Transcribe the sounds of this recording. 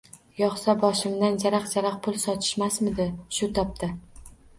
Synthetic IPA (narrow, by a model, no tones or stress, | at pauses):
jɒχsabɒʃɪmd̪and͡ʒaɾaqd͡ʒaɾaqpʰʊlˠsɒt̪ʰɪ̥ʃmasmɪd̪ɪʃʊt̪ʰɒp̚t̪ʰa